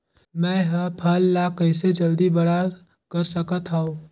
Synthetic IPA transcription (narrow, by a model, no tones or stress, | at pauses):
mɛ̃ɦəpʰəlːakəɪsed͡ʒəld̪ibəɽa | kəɾsəkət̪ɦəõ